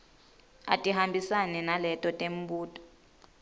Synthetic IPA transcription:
a̰tʼiɦambʱisanɛnalɛtʼɔtʼem̩buːtʼɔ̥

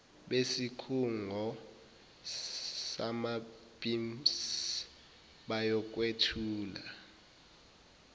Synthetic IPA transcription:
ɓesikʰuŋʱɔ | samab̥ʱʼims | ɓajɔk̬ʼwetʰuːla̰

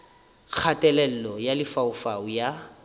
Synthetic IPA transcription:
k͡xʰatʼɛlɛl̩lɔjalɪfaʊfaʊja

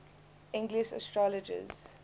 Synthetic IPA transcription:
ʔɪ̃ŋɡlɪʃə̰stɹɔləd͡ʒə̰z̥

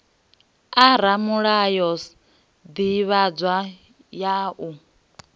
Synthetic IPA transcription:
aɾamuɺajɔs | d̪iβad͡zwa | jaʔu

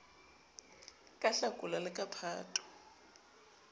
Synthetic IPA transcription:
kʼaɬakʼulalɪkʼapʰa̰ːtʼɔ̥

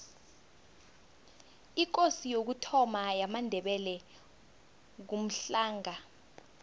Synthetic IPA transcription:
ik̬osijok̬utʰɔmajamandʱɛɓɛlɛ | k̬um̩ɬaːŋa

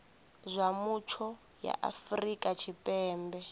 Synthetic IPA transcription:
zʷamut͡ʃʰɔ | ja̰ʔa̰frikʼat͡ʃʰipʼɛːmbɛ

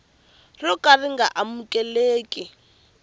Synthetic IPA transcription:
rɔkʼariŋɡaʔamukʼɛleːkʼi

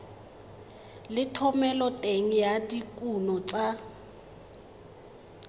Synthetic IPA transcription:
lɪtʰɔmɛlɔtʼeŋ̩jadikʼunɔt͡sʼa

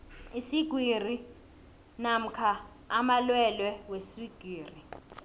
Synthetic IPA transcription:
isiɡ̥ʱwir̤i | nam̩kʰaː | malwɛlwɛwesiɡ̥ʱwiːri

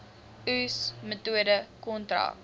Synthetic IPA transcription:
ʉsmətuədəkɔntra̰k

